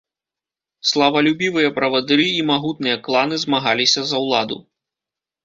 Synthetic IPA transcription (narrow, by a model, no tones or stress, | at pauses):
slˠɐvɐlʲubʲivɨjɐpɾɐvɐd̪ɨɾɨimaɣut̪̚nɨjɐklˠanɨzmaɣalʲisʲɐzɐwlˠad̪ṵ